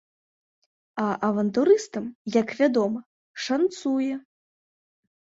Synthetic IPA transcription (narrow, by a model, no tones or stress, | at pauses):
ɐʔɐvɐnt̪uɾɨst̪ɐmjɐkvʲad̪ɔmɐ | ʂant̪sujɛ